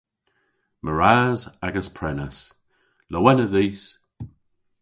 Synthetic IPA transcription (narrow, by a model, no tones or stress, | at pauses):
mʔəɹaːzaɡəspʰɹɛnəs | ləwɛnəðiːs